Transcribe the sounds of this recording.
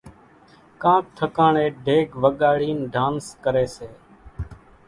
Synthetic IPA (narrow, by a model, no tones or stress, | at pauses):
kãːk̚t̪ʰəkãːɳeːɖʱeːɡʋəɠaːɽiːnɖʱaːnskəɾeːseː